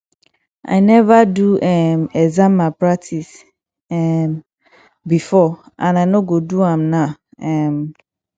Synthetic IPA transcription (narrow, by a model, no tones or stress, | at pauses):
ʔa̰ɪnɛvaduɛmɛzãmmːãpʰɹak̚tʰis | ɛm | bifɔ | ʔãnanoɡoduãmnã | ɛm